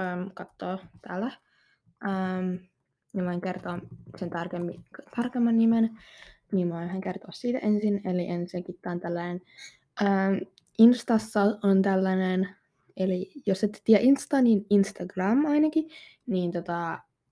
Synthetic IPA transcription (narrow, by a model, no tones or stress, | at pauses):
əːmkɑt̪ːoːt̪æːlːæ | ʔəm | jɑmoiŋkert̪oːnsent̪ɑrkemːikt̪ɑrkemːɑnːimen | niːmmoinhæŋkert̪oːssiːt̪æ̰ʔensineliʔenseŋkit̪ːɑːnt̪ælːænen | ʔəːm | inst̪ɑsːɑont̪ælːænen | elijoset̪ːt̪iæʔinst̪ɑːniːninst̪ɑɡrɑmɑinɑki | niːnt̪ot̪ɑ